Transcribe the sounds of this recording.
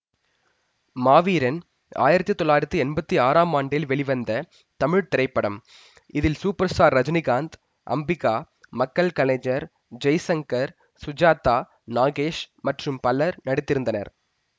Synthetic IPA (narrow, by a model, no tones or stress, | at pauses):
maːʋiːɾɐn | a̰ːjɪɾɐt̪ːɯt̪ːɔlːaːjɪɾɐt̪ːiɛnbɐt̪ːiaːɾaːmaːɳɖɪlʋɛɭɪʋɐnd̪ɐ | t̪ɐmɪɻt̪ɪɾɐɪpːɐɽɐm | ɪðɪlsuːpɐɾsaːɾːɐd͡ʒnɪɣaːnd̪ | ʔɐ̰mbɪkːaː | mɐkːɐlkɐneːd͡ʒɐɾ | d͡ʒɐjsɐŋkɐɾ | sʊd͡ʒaːt̪ːaː | naːɣeːʂmɐʈrɯmpɐlɐɾnɐɽɪt̪ːɪɾɯnd̪ɐnɐ̰ɾ